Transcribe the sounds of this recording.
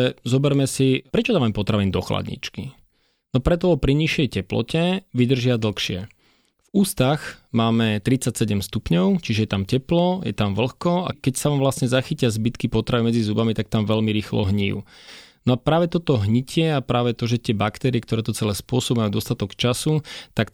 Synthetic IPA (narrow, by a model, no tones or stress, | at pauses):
ɛzɔbɛɾmɛsipɾɛt͡ʃɔd̪aʋampɔt̪ɾaʋind̪ɔxla̰d̪ɲḭt͡ʃki | nɔpɾɛt̪ɔɔpɾiɲiʃjɛjcɛplɔ̰cɛʋid̪r̩ʒɪad̪l̩xʃɪɛ | vuːst̪aɣmaːmɛt̪ɾit͡sacsɛɟɛmst̪upɲɔʊt͡ʃiʒɛjɛt̪amcɛplɔjɛ̰t̪amʋl̩xkɔa̰kɛcsaʋaːmʋlasɲɛzaxicɪazbit̪kipɔt̪ɾaʋimɛd͡zizubamit̪ak̚t̪amʋɛlmiɾiːxlɔ̰ɦɲḭːjṵnɔapɾaːʋɛt̪ɔt̪ɔɦɲicɪɛapɾaːʋɛt̪ɔʒɛt̪ɪɛbakt̪ɛːɾiɛk̚t̪ɔɾɛːt̪ɔt͡sɛlɛːspʊɔsɔbmajud̪ɔst̪at̪ɔkt͡ʃasut̪ak